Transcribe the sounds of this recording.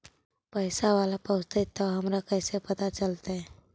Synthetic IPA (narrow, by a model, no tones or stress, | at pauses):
pəɪsaʋaːlapəʊst̪et̪ːoɦɐmɾakɛːsepət̪at͡ʃəlt̪aɦɛ̃